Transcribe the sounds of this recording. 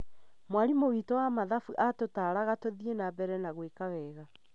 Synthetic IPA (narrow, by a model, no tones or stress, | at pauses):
mwaɾimowiːtɔwamaðafuʔatotaɾaɣatoðienabɛɾɛnaɣwekawɛːɣa